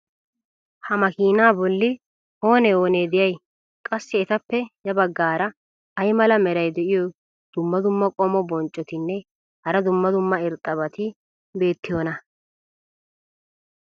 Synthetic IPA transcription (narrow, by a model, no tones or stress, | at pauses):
hɐmɐkiːnaːbɔlːɪ | o̞ːnɛo̞ːneːd̪ɪjɐj | kʼɐsːɪːt̪ɐpːɛjɐbɐɡːaːɾɐ | ɐjmɐlɐmɛɾɐjd̪ɛʔɪjɔ | d̪̥ʊmːɐd̪ʊmːɐkʼɔmɔbɔnt͡ʃʼːɔt̪ɪnːɛ | hɐɾɐd̪ʊmːɐd̪ʊmːɐɪɾt̪ʼːɐβɐt̪ɪ | be̞ːt̪ːɪjɔːnɐ